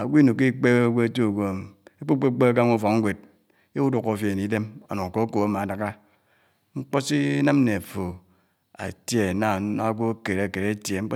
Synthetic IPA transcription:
a˨ɡʷi˦nu˨kːi˦k͡pe˦ɡʷo˦e˦to˦˨ɡʷo˦˨e˦k͡po˦k͡pe˦k͡pe˦a˦k̬a˦ŋu˦fo˨ŋ̩˦ɡʷe˨d̚ | e˦u˦du˨ko˨fje˨e˨ni˨˦de˦mo̰˨no˨ŋ˨ko˦ko˨a˦ma˨a˨da˦˨ka˦ | ŋ͡m̩˦k͡po˦si˦na˦m˦ne˨fo˨ | a̰˨tje˦˨na˨˦a˦ɡʷo˦ke˨ɾe˨ke˨ɾe˦tje˨ŋ͡m̩˦k͡p

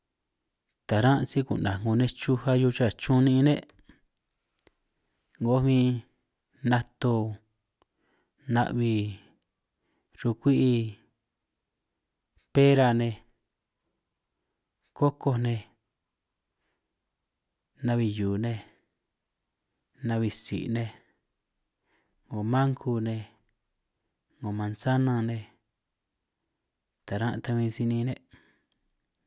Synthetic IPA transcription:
t̪a˨ɾã˦ʔsi˦kṵ˨nã˨ŋɡo˧nẽ˧t͡ʃu˦ha˦ju˧t͡ʃa˦˨t͡ʃũ˦nĩ˧nẽ˦ʔ | ŋɡo˧˦mĩ˦ | nã˧t̪o˧ | nã̰˧ʔβi˧ | ɾu˧kʷi˦ʔi˧ | pe˦ɾa˧˨nẽ˧ | ko˦ko˧nẽ˧ | nã˧βi˧juː˨nẽ˧ | nã˧βi˧sḭ˨ʔnẽ˧ | ŋõ˨mã˦ŋkʰu˧nẽ˧ | ŋõ˨mã˧nsa˦nã˧nẽ˧ | t̪a˨ɾã˦ʔt̪a˧mĩ˧si˧nĩ˧nẽ˧

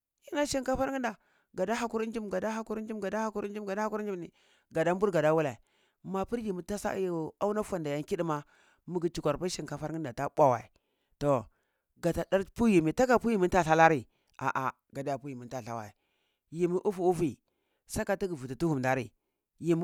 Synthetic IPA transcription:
ji˨na˦ʃi˦ŋka˦fa˦ɾŋi˦nda˨ | ɡa˨da˦ɦa˦ku˦ɾi˦n˦d͡ʒi˦mɡa˨da˦ɦa˦ku˦ɾi˦n˦d͡ʒi˦mɡa˨da˦ha˦ku˦ɾi˦n˦d͡ʒi˦m˨ɡa˨da˦a˦ku˦ɾn˦d͡ʒi˦ni˨ | ɡa˨da˦m˦bu˦ɾɡa˨da˦wu˦la˨i˨ | ma˨pi˦ɾji˨mi˨˦ta˦sa̰˦˨a˦u˦na˦fa˨nda˨ja˦ŋki˦di˦ma˦ | mu˦ɡi˨t͡ʃi˨kʷa˨ɾpa˦ʃi˦˨ŋka˨fa˦ɾi˦nda˨ta˦ɓʷa˦wa̰˨i˨ | to˨ | ɡa˨ta˨da˦ɾpu˦ji˨mi˨ta˦ka˨pu˦ji˦mi˦nta˦ɬa˦la˦ɾi˨ | a̰˨ʔa˨ | ɡa˨da˦ja˨pu˦ji˨mi˨nta˨ɬa̰˦˨wa̰˨i˨ | ji˨mi˦ʔu˦fu˨u˦fi˨ | sa˦ka˨ti˦ɡi˨vu˨ti˨tu˦hu˨mda˨ɾi˨ | ji˨m˦

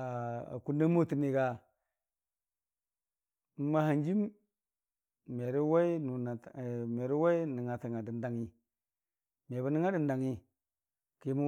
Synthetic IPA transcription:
a˨a̰˨ku˦nda˦mo˦ti˨ni˨ɡa˨˦ | ma˦ha˨nd͡ʒi˦m | me˨ɾi˦wa˦i˦nu˨n˨me˨ɾi˦wa˦i˦ni˨ŋa˨ta˨ŋa˨di˨nda˨ŋi˦ | me˨ba˨ni˦ŋa˦di˨n˨da˨ŋi˦ | ki˦mu˦

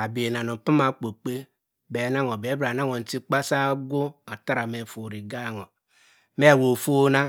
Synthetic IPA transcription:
a˨be˨na˨nu˨pa˦ma˨k͡po˨k͡pe˦ | be˨˦na˦ŋo˨be˨˦bɾa˨na˦ŋo˨n̩˨˦ti˦k͡pa˦sa˦ɡu˦a˨ta˦ɾa˨me˨fo˨ɾi˨ɡa˦˨ŋo˨ | me˦˨wo˨fo˦na˦

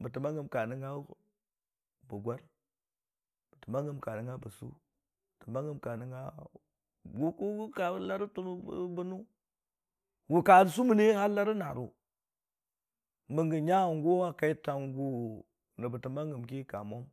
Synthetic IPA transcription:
bə˨ti˨ma˦ŋɡə˨mka˨nə˦ŋɡa˦ | bu˨ɡʷa˦ɾ | b̥ə˨ti˨ma˦ŋɡə˨mka˨nə˨ŋɡa˦bə˨sṵ˦˨ | tə˨ma˦ŋɡə˨mka˨ni˦ŋɡa˦ | ɡu˦ku˦ka˨˦la˦ɾi˦tu˦n˦bu˦nu˦ | wu˨ka˨ɾs̬u˦mu˨ni˦ha˦la˦ɾi˦na˨ɾṵ˨ | mə˨ŋɡə˨ɲa˦˨ŋɡo˦wa˦ka˨i˦ta˨ŋɡu˦ | nə˨bə˨ti˨ma˦ŋɡə˨mki˦ka˨mo˦m

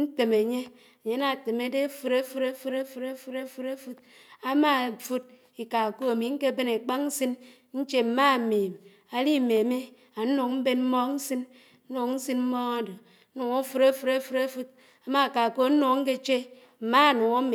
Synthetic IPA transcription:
n̩˦te˨me˨ɲe˦ | e˨ɲe˦na˨te˨me˦de˦fu˦ɾe˦fu˦ɾe˦fu˦ɾe˦fu˦ɾe˦fu˦ɾe˦fu˦ɾe˦fu˦t | a˦ma˦˨fu˦t̚ | i˨ka˨ko˦e˨mi˨ŋ̩˦ke˦be˦ne˨k͡pa˦kn̩˦si˦n | n̩˦t͡ʃe˦m̩˨ma˦˨meː˨m | a˨li˦˨me˨me˦ | a˨˦nu˨ŋ˦m̩˦be˦nm̩˦mɔ˦n̩˦si˦n | n̩˦nu˨kn̩˦sɨ˦nm̩˦mɔ˦ŋa˦do˨˦ | nu˨ŋo˦fu˦ɾe˦fu˦ɾe˦fu˦ɾe˦fu˦t | a˨ma˦˨ka˨ko˦n̩˦nu˨ŋ̩˦ke˦t͡ʃe˦ | m̩˨ma˦˨nu˨ŋo˦me˨

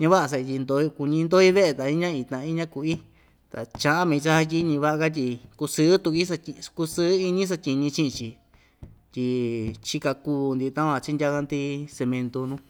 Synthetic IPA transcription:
ɲã˧βa˦ʔa˧s̬a˧i˧t̪ʲi˧nd̪o˧i˧ku˧ɲĩ˧nd̪o˦i˦βe˦ʔe˧t̪a˨i˦ɲã˦i˧t̪ã˧ʔi˦ɲã˦ku˧i˦ | t̪a̰˨t͡ʃã˧ʔã˦mĩ˧t͡ʃa˧ha˧t̬ʲi˦ɲĩ˧βa˦a˧ka˦t̪̬ʲi˧ku˧sɨ˦t̪u˧ki˦sa˧i˧ku˧sɨ˦i˧ɲĩ˦s̬a˧tʲi˧ɲĩ˧t͡ʃĩ˦ʔt͡ʃi˨ | t̪ʲi˧t͡ʃi˧ka˧ku˧nd̪i˧˨˧t̪ã˦ã˧˨t͡ʃi˦ndʲa˧ka˧nt̪i˧se˧mẽ˧nt̪o˧nũ˦

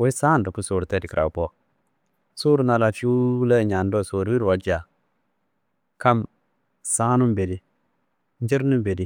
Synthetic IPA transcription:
wɔ˦i˦saː˦n˨dɔ˨ku˦su˨ɾtɛ˦di˨kɾʔa̰˨pɔ˦ | su˦ɾu˦na˨la˨fi˦u˦la˦˨ɲa˨ndɔ˦˨so˨ɾu˦wi˦ɾwa˨d͡ʒa˨ | ka˦m | saː˦nu˦mbe˨di˦ | n˦d͡ʒi˦ɾnu˦m˦be˨di˦

